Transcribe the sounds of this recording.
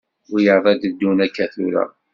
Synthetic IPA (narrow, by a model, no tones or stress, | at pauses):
jəɾðˤæd̪əd̪ːunækːæθuɾæ̰